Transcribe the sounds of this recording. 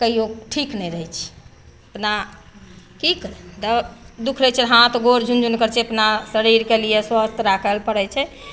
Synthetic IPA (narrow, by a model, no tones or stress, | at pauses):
kəɦioʈʰiknɛɾəɦɛt͡ʃʰ | əpna | kikəɾɛt̪əd̪ukʰɾəjt͡ʃʰɛɦãt̪ɡoɾd͡ʒʱund͡ʒunkəɾt͡ʃʰeəpnasəɾiɾkelijeswəst̪ʰɾakʰəlpəɽɛt͡ʃʰɛ